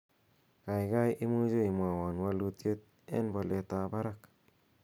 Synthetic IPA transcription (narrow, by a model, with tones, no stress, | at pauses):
ka˨jɡa˦jʔi˦mu˦d͡ʒo˦jma˨wa˨nwa˦lu˦t̪je˦t̪̚ | ḛ˦nbo˨le˨t̪a˨ba˦ɾa˦k